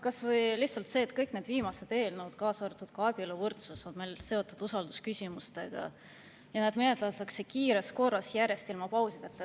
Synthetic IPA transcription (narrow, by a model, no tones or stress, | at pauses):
kɑsvɤjlihtsɑlt̪se̞ːt̪kɤjkned̪̥viːmɑset̪e̞ːlnuːd̪̥kɑːsɑɾɑt̪ːˑud̪̥kɑb̥iolovɤrt̪susod̪melse̞o̞t̪ːˑud̪̥usɑld̪uskysʲimust̪e̞ɡ̥ɑ̰ | jɑnæːd̪̥menet̪ːˑlɑt̪ːˑɑkse̞kiːɾesko̞rːɑsjæɾe̞st̪ilmɑpɑwsid̪et̪ːe